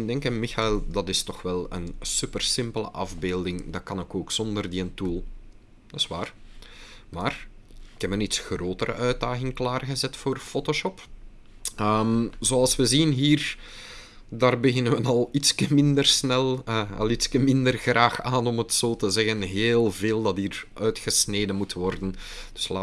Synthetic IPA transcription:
ɪndɛŋkənmɪxaɪlˠdɑtɪstɔxʋɛlˠə̰nsypərsɪmpələ̰ʔɑvbeːlˠdɪŋdɑkɑnɪkoːksɔndərdiəntuːlˠ | dɑsʋaːr | maːr | ɪkɛpənitsxroːtəɾə̰ʔœɥd̚daːɣɪŋklaːrɣəzɛtfoːrfoːtoʃɔp | əmzoɑlˠsʋəzinɦiːr | daːrbəɣɪnənʋənɑlˠitskəmɪndərsnɛlˠəɑ̰lˠitskəmɪndərɣraːxaːnɔmətsoːtəzɛɣənɦeːlˠveːlˠdɑtiːrʔœːɥtxəsneːdənmutʋɔrdən | d̥ɵ̥slaː

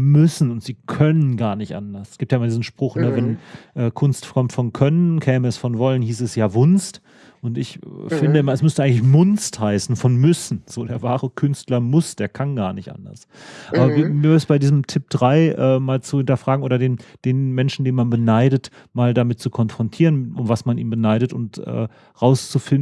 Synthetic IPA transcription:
mʏsn̩ʊntz̥iːkʰœnənɡaːɐnɪçtʔa̰ndɐsɛsɡ̥iːptjaʔɪmaldiːzn̩ʃpʁ̥ʊχnəvɛnʔɛːkʰʊnstkʰɔmtfɔnkʰœnənkʰɛːməɛsfɔnvɔlənhiːsɛsjaːvʊnst | ʔʊntɪçfɪndəɪmɐɛsmʏstəʔaɪŋklɪçmʊnsthaɪsn̩fɔnmʏsn̩z̥oːdeːɐvaːʁəkʰʏnstlɐmʊsd̥eːɐkʰanɡaːɐnɪçtʔa̰ndɐ̰s | ʔaːbɐvimiːvdəsb̥aɪdiːzəmtʰɪp̚d̥ʁaɪʔɛːmaːlt͡suhɪntɐfʁ̥aːɡŋ̩ʔoːɾɐdeːnd̥eːnmɛnʃn̩deːnmanbənaɪdət | maːldamɪt̚t͡sukʰɔnfʁ̥ɔntʰiːʁənʔʊmvasmanʔḭːnbənaɪɾətʊntʔɛ̰ː | ʁaʊst͡sufɪln

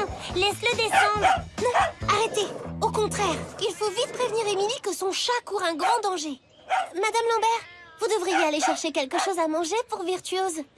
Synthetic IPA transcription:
lɛsləd̪esɑ̃d̪ʁnɔ̃aʁet̪eokɔ̃t̪χɛːʁilfovit̪pχevniʁemilikəsɔ̃ʃakuʁɛ̃ɡʁɑ̃d̪ɑ̃ʒe | mad̪amlɑ̃bɛʁvud̪əvʁijealeʃɛʁʃekʲɛlkəʃozamɑ̃ʒepuʁviʁt̪ɥøz

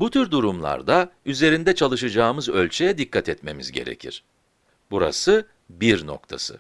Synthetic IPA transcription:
but̪ʰyɾd̪uɾumlˠa̰ɾd̪ayze̞ɾind̪ɛt͡ʃʰalˠɯʃɯd͡ʒaːmɯzø̞lʲt͡ʃʰɛjɛd̪ikːat̪ʰɛt̪me̞mizɟe̞̰ɾe̞̰cʰḭɾ̥ | buɾa̰sɯ | biɾno̞̰kt̪ʰasɯ̰

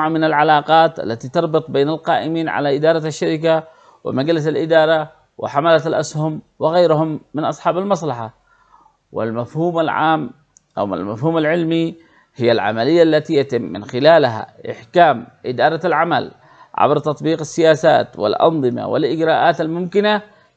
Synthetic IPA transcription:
ʕmɪnalʕalɑːqɑːt̪ʔa̰lːat̪it̪ɑɾˤbɨt̪ˤbeːnalqɑːʔɪmiːnʕa̰laʔɪd̪ɑːɾˤɑaʃːaɾɪk̬a | wɪ̰maɡlɪs̬alʔɪd̪ɑːɾˤɑ | wɪ̰ħamalaalʔashʊmwɪɣajɾhʊmːɪnʔɑsˤħɑːbalmɑs̬ˤlɑħa | wɪ̰lmafhuːmalʕa̰ːm | ʔa̰wa̰lmafhuːmalʕɪlmi | hɪjːalʕa̰malɪjːaʔlːat̪ijat̪ɪmːɪ̰nxɪlaːlɦa̰ʔɪ̰ħkaːmʔɪd̪ɑːɾˤɑalʕama̰l | ʕa̰bɾt̪ɑt̪ˤbiːqasːɪjaːsa̰ːt̪wɪ̰lʔɑ̰nˤðˤɨma̰wɪ̰lʔɪɡɾaːʔaːt̪almʊmkɪna

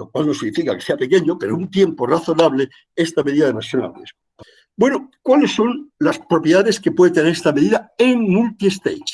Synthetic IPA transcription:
lokwalno̞sinifikakeseape̞keɲope̞ɾount̪je̞mporaθo̞naβle | e̞st̪ame̞ðiðaðemasjona̰βḛs | bwe̞nokwale̞sːo̞nlaspɾo̞pjeðaðe̞ske̞pwe̞ðet̪eneɾest̪ame̞ðiðaeŋmult̪iest̪ḛj

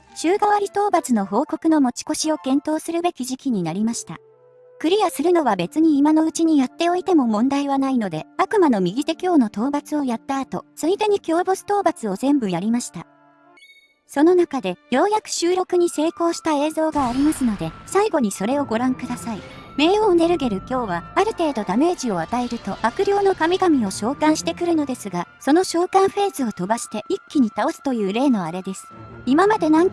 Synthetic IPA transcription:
ɕɨːɡaβaɾʲit̪o̞ːbat͡sɨno̞ɦo̞ːko̞kɯ̟no̞mo̞t͡ɕi̥ko̞ɕio̞kẽ̞nt̪o̞ːsɨɾɯ̟be̞kʲiʑikʲiɲ̟inaɾʲimaɕi̥t̪a̰ | kɯ̟ɾʲijasɨɾɯ̟no̞βabe̞t͡sɨɲ̟iːmano̞ɯ̟t͡ɕiɲ̟ijat̪ːe̞o̞it̪e̞mo̞mõ̞nd̪aiβanaino̞d̪e̞akɯ̟mano̞mʲiɡʲit̪e̞kʲo̞ːno̞t̪o̞ːbat͡sɨo̞jat̪ːaːt̪o̞̰sɨid̪e̞ɲ̟ikʲo̞ːbosɨ̥t̪o̞ːbat͡sɨo̞zẽ̞mbɯ̟jaɾʲimaɕi̥t̪a | so̞no̞nakad̪e̞jo̞ːjakɯ̟̥ɕɨːɾo̞kɯ̟ɲ̟ise̞ːko̞ːɕi̥t̪ae̞ːzo̞ːɡaːɾʲimasɨno̞d̪e̞saiɡo̞ɲ̟iso̞ɾe̞o̞ɡo̞ɾãŋkɯ̟d̪asai | me̞ːoːne̞ɾɯ̟ɡe̞ɾɯ̟kʲo̞ːβaaɾɯ̟t̪e̞ːd̪o̞d̪ame̞ːʑio̞at̪ae̞ɾɯ̟t̪o̞b̥akɯ̟ɾʲo̞ːno̞kamʲiɡamʲio̞ɕo̞ːkãɰ̃ɕi̥t̪e̞kɯ̟ɾɯ̟no̞d̪e̞sɨɡaso̞no̞ɕo̞ːkãɰ̃ɸe̞ːzɨo̞t̪o̞baɕi̥t̪e̞ʔikʲːiɲ̟it̪ao̞sɨ̥t̪o̞jɯ̟ːɾe̞ːno̞aɾe̞d̪e̞sɨ̥imamad̪e̞nãŋ

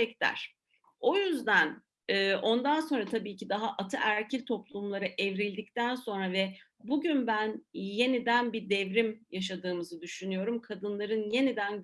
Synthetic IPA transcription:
ɛct̪æ̰ɾ̥ | o̞jyzd̪ænː | ʔo̞nd̪anso̞nɾat̪ʰabiːcid̪aɦaʔat̪ʰɯʔæɾcʰilʲt̪ʰo̞plˠumlˠaɾɯʔɛvɾilʲd̪ic̚t̪ʰænso̞nɾavɛ | buɟynbænje̞nid̪ænbid̪ɛvɾimjaʃ̬ad̪ɯːmɯzɯd̪yʃynyjo̞ɾumkʰad̪ɯnlˠaɾɯnje̞nid̪æn

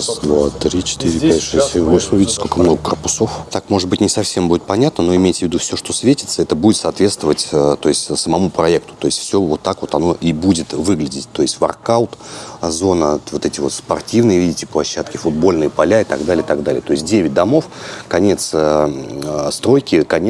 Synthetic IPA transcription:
sd̪vat̪ɾʲit͡ɕɪ̥t̪iɾʲɪpʲɛʂɛɛvosʲɪmʲvʲidʲɪtʲɪko̞lʲkəmno̞ɡəkərpʊ̥so̞ft̪akmo̞ʐɨd̪̚bɨtʲnʲɪsɐfsʲe̞mbudʲɪt̪̚pɐnʲat̪nəno̞ɪmʲejtʲɪvʲɪd̪ufsʲoʂt̪o̞svʲetʲɪ̥t̪səɛt̪əbudʲɪt̪sɐːt̪vʲe̞t̪st̪vəvətʲət̪o̞ɪsʲtʲsəmɐmupɾɐɛkt̪ʊ̥t̪o̞ɪsʲtʲfsʲovo̞t̪ːakvo̞t̪ɐno̞ʔibudʲɪt̪vɨɡlʲɪdʲɪtʲt̪o̞ɪsʲtʲvɐ̰rkaʊt̪zo̞nəvo̞t̪ɛtʲɪvo̞t̪spɐrtʲivnɨjəvʲidʲɪtʲɪplˠɐɕːat̪kʲɪfʊd̪̚bo̞lʲnɨjəpɐlʲaɪt̪ɐɡd̪alʲɪəɪt̪ɐɡd̪alʲɪjət̪o̞ɪsʲt̚ʲdʲevʲɪt̚ʲd̪ɐmo̞fkɐnʲet̪s | st̪ɾo̞jkʲɪkɐnʲ

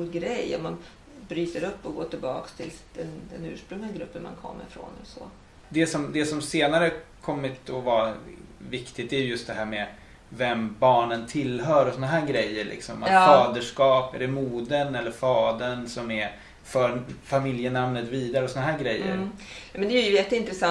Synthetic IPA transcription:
uɡɾɛjːa̰man | bɾyːt̪əɾɵpːɔɡoːʈɪlbɑ̰ːkst̪ʰɪld̪̥ɛnd̪ɛnʉ̟ːʂpɾɵŋlɪɡaɡɾɵpːənma̰nkʰɔ̰mːə̰ɾfɾo̰nsɔ̰ | d̪ɛsɔmd̪ɛsɔmseːnaɾəkʰɔmːɪt̪ɔva | vɪkt̪ɪk̚t̪æɾjɵjɵst̪d̪ɛɦæːɾmɛ | vɛmbɑːɳənt̪ʰɪlɦœːɾɔsɔnaɦæːɾɡɾɛjːəɾɭʔɪ̰ksɔma̰t̪fɑːd̪əʂkɑːpæ̰ɖɛmuːd̪ənɛlːəɾfɑːd̪ənsɔmɛɾ | fœːɾfamɪljənamnət̪viːd̪aɾəɔsɔnaɦæːɾɡɾɛjːə̰ɾmɛnd̪ɛjɛjəjɛt̪ːəɪnt̪ɾɛsa

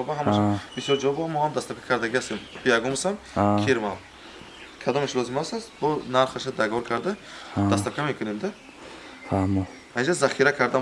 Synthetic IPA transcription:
ɔbaɦamaʃabisjɔɾd͡ʒavɔbamːɔhamd̪ast̪apkʰḁkʰaɾd̪aɡihast̪embʰijaɡɔmasamkʰiɾmal | kʰad̪ɔmeʃlɔzimast̪asbɔnaɾχaʃad̪aɡvɔɾkʰaɾd̪ad̪ast̪apkʰamekʰunemd̪a | hamɔ | aind͡ʒazaχiɾakʰaɾd̪a

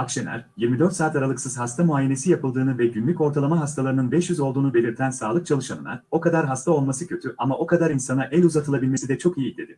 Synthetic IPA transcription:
akʃenʲæ̰ɾjiɾmid̪øɾt̪saːt̪aɾalˠɯksɯz̥hast̪ʰamuaːje̞ne̞sijapʰɯlˠd̪ɯːnɯvɛɟynlʲyco̞ɾt̪ʰalˠamaɦast̪ʰalˠaɾɯnɯnbɛʃjyzo̞lˠd̪uːnube̞lʲiɾt̪ʰænsaːlˠɯk̚t͡ʃʰalˠɯʃanɯ̰na̰o̞kad̪aɾɦast̪ʰao̞lˠmasɯcʰø̞t̪ʰyʔamaʔo̞kʰad̪aɾinsanaʔælʲuzat̪ʰɯlˠabilʲme̞sid̪ɛt͡ʃʰo̞kijid̪e̞̰d̪i

